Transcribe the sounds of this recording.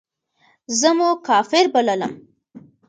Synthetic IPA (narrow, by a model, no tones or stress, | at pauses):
zəmokɑfɪɾbalələm